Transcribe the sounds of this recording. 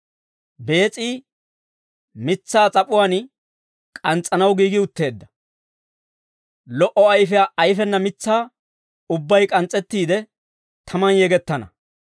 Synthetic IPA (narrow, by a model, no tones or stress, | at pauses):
be̞ːt͡sʼiː | mɪt͡sːaːt͡sʼɐpʼʊwaːn | kʼɐnt͡sʼːɐnɐwɡiːɡɪʊt̪ːe̞ːd̪ːɐ̥ | lɔʔɔɐjfɛjaʔɐjfɛnːɐmɪt͡sːaː | ʊbːɐjkʼɐnt͡sʼːɛt̪ːiːd̪ɛ | t̪ʰɐmɐnjɛɡɛt̪ːɐnɐ̰